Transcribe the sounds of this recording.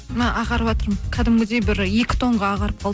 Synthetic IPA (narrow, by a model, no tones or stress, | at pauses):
nɑʔɑʁɑɾəpwɑt̪əɾmkʲʰæd̪ɪmɡʲɪd̪ebɪɾje̞kʲɪ̥t̪ʰo̞ɴʁɑɑʁɑɾəp̚qʰɑlˠd̪ə